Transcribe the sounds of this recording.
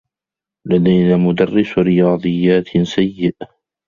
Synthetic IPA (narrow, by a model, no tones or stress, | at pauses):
lad̪ajnaːmʊd̪ɑrːɪsɾɪjɑːd̪ˤɨjːaːt̪sajːɪʔ